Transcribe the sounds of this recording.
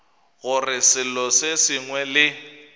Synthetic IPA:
ɣʊrɪsɪlɔsesiŋwɛlɪ

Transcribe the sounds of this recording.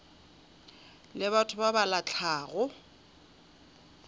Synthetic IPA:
lɪβatʰʊbabalat͡ɬʰaːɣʊ

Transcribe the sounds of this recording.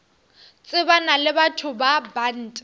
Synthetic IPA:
t͡sʼɪbanalɪbatʰʊbaban̩ːtʼ

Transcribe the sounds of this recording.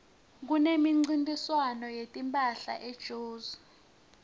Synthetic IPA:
k̬unemiŋ͡ǀintʼiswanɔjetʼimpʼaɬa̰ʔed̥ʒ̥ʱoːzu

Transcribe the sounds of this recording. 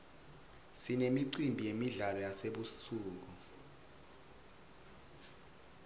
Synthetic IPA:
sinemiǀimbʱijemiɮalɔjaseɓusuːk̬u

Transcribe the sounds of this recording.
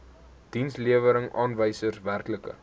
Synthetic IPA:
d̥insliəvəɾəŋʔɑːnvəjsərsværkləkə̰

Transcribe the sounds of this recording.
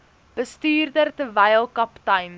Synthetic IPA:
b̥əstyːrdərtəvɛjəlˠkɐptɐjn

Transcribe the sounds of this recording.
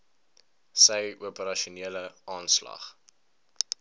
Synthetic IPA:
səjuəpəɾɐʃuniələʔɑːnslɐ̰χ

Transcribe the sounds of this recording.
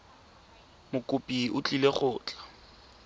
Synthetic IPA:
mʊkʼʊpʼiʊt͡ɬʼileχʊːt͡ɬʼḁ

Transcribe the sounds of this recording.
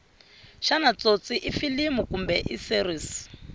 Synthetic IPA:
ʃanat͡sot͡sʼiʔifilimukumbɛʔisiriːsi̥

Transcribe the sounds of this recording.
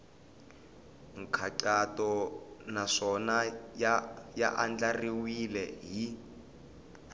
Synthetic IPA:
ŋ̩kʰaǀatɔnaʂɔna | ja̰ʔand͡ɮariwilɛɦi

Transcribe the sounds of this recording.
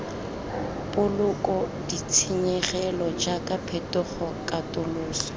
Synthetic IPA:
pʊlʊkʼɔdit͡sʰiɲɛχɛlɔd͡ʒakʼapʰɛtʊχɔkʼatʼʊlʊːsɔ̥

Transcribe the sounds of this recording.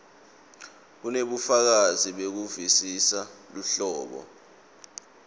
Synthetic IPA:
k̬uneɓufak̬aziɓek̬uvisisaluɬɔːɓɔ̰

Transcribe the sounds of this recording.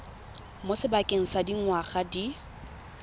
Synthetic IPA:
mosɪbakʼeŋ̩sadiŋ̩waχadi

